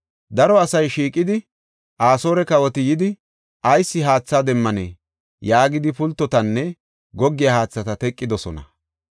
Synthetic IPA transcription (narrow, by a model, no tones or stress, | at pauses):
d̪ɐɾɔɐsɐjʃiːkʼːɪd̪ɪ | ʔaːso̞ːɾɛkɐwɔt̪ɪjɪd̪ɪ | ʔɐjsːɪɦaːt͡sːaːd̪ɛmːɐnɛ̰ː | jaːɡɪd̪ɪpʊlt̪ːɔt̪ɐnːɛ | ɡɔɡːɪjɐhaːt͡sːɐt̪ɐt̪ɛkʼːɪd̪ɔsɔ̰nɐ̰